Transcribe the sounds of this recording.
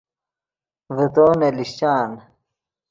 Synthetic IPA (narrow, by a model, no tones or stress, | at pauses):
vit̪oːneliɕt͡ɕaːn